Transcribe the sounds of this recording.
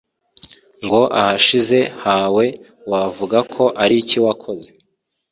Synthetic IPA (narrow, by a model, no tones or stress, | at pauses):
ŋɡo̞ʔa̰haʃize̞haːwe̞ | wavuɡakʰo̞ʔaɾiciwakʰo̞ze̞̥